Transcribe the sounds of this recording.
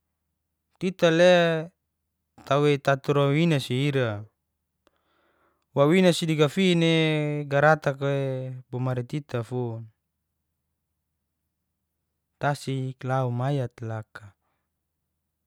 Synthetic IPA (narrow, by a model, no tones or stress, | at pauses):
t̪it̪ale | t̪awet̪at̪uɾawinasiːɾa | wawinasidiɡafineɡaɾat̪akebomaɾit̪it̪ʰafun | t̪asiklaumajat̪laka